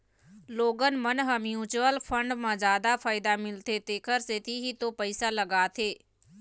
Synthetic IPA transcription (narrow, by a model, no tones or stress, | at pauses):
loːɡənmənɦəmjuːt͡ʃuwəlpʰə̃ɳɖmãzjaːd̪afʰaːɪd̪amɪlt̪et̪eːkʰəɾset̪ʰiɦit̪opəɪsaləɡaːt̪ʰeː